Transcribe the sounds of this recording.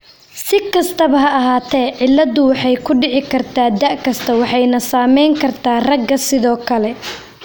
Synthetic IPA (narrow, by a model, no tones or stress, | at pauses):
sɪkʰɐst̪ʰɐβɐɦɐɐɦaːt̪ʰɛːʕɪlːɐðʊwɑħɑjkʰʊɖɪʕɪkʰɐrt̪ʰaːd̪ɐʔkʰɐst̪ʰɐwɑħɑjnɐsaːmɛjŋkʰɐrt̪ʰaːrɐɡːɐsɪðɔːkʰɐlɛ